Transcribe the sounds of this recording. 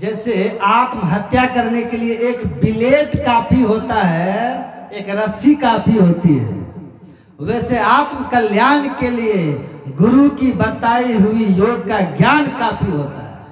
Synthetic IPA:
d͡ʒɛːseaːt̪mɦət̪jakəɾnekelieeːkbɪleːt̪kaːpʰiɦoːt̪aɦɛ | eːkɾəsikaːpʰiɦoːt̪iɦɛ̰ | ʋɛːseaːt̪mkəljaːnkelieɡʊɾukibət̪aːiɦʊijoːɡ̚kaɡjaːnkaːpʰiɦoːt̪a̰ɦɛ̰

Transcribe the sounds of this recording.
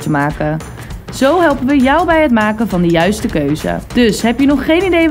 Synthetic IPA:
təmaːkə | z̥owɦɛlˠpənʋəjɔwbɛjɦətmaːkəvɑndəjœɥstəkøɥzə̰d̥ɵsɦɛpjənɔχːejnidej

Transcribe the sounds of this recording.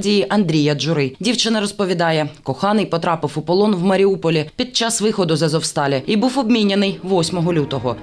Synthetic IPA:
dʲijiʔɐnd̪ɾʲijɐd͡ʒʊɾɪdʲiwt͡ʃɪnɐɾɔspɔʋʲid̪ɑjɛkɔxɑnɪjpɔt̪ɾɑpɪfʊpɔlˠɔnwmɐɾʲiupɔlʲipʲid̪̚t͡ʃɑsʋɪxɔd̪ʊzɐzɔwst̪ɑlʲɛibuwɔbʲmʲinʲːenɪjʋɔsʲmɔɦɔlʲut̪ɔɦɔ

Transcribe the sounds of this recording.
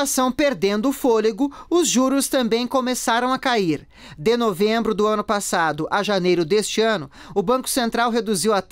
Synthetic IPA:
asɐ̃w̃peɾd̪ẽnd̪ʊːfoliɡʊʊzʒuɾʊst̪ɐ̃mbẽj̃komesaɾɐ̃w̃akaiɾ | d̪ɪnovẽbɾʊd̪ʊɐ̃nʊpasad̪ʊʔaʒanejɾʊd̪est͡ʃɪɐ̃nʊ | ʊbɐ̃kʊ̥sẽnt̪ɾawɦed̪uziwɐt̪

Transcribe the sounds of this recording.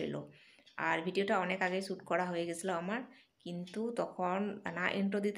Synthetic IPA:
ḭlo̰ | aɹbʱiɖiotaɔnekaɡejsuʈkɔɹaɦojɛɡesʰilaamaɹ | kint̪ut̪ɔkʰɔnnaʔiɳʈod̪it̪

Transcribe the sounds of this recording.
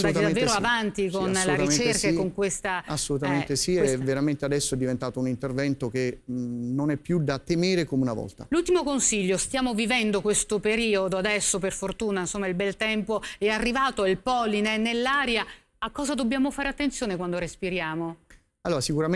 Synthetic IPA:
d̪ak̪ed̪avːeːɾoavant̪ikonlaɾit͡ʃerksaekːoŋkwest̪aasːolut̪ament̪esiɛvːeɾament̪ead̪ɛsːoɛd̪ːivent̪aːt̪ounint̪ervɛnt̪okenonɛpːjud̪at̪emeːɾekomeunavɔ̰lt̪alult̪imokonsiʎːost̪jaːmovivɛnd̪okwest̪opeɾiːod̪oad̪ɛsːop̬erfort̪uːnainsomːailbɛlt̪ɛmpoɛarːivaːt̪oilpɔːlinɛnelːaːɾja | akːɔːzad̪obːjaːmofaːɾeat̪ːent̪sjoːnekwand̪oɾespiɾjaːmo | aloːɾasikuɾam

